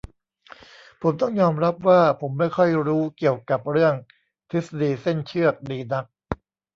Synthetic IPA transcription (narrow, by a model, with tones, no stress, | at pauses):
pʰo˩˦mt̪ɔ˥˩ŋjɔː˧mɾa˦˥p̚waː˥˩pʰo˩˦mːa˥˩jkʰɔ˥˩jɾuː˦˥ki˨˩əwka˨˩p̚ɾɯ˥˩əŋ | t̪ʰi˦˥sa˧diː˧se˥˩nt͡ɕʰɯ˥˩ək̚diː˧na˦˥k̚